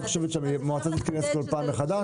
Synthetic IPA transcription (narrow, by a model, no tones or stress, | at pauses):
χoʃevet̪ʃammoat͡sat̪it̪iʁefkolpaːmbeχad̪a